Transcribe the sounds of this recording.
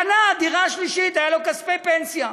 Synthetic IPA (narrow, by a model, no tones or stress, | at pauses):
anaad̪iʁaːʃliʃit̪ajalo̞kasfejpensja